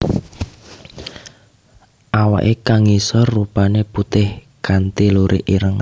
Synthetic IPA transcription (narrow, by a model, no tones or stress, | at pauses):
ʔawa̰ʔekaŋisɔrːupaneput̪ɪh | ɡ̥ant̪iluɾʔiʔiɾəŋ